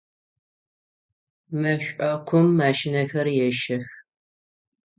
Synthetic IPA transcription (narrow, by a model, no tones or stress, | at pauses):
mɐɕʷʼɐkʷʰʊmːaːʃɪnɐxɐrjɛʃɐx